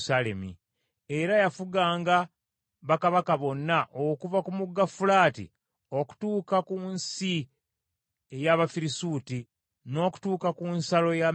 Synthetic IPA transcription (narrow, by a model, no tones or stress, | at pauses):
sale̞̰mḭ | e̞ɾajafuɡaːŋɡa | βakaβakaβo̞nːaʔokuvakumuɡːafulaːtḭ | o̞ku̥tuːkakunsi | ejaβafiɾisuːti | no̞ːku̥tuːkakunsalo̞ja